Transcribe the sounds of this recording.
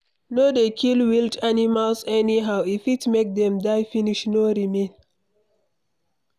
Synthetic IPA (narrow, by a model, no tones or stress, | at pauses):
nodekʰilwiltanimalsɛniɦaʊifitmek̚dɛ̃mdaɪfiniʃnoɹimẽn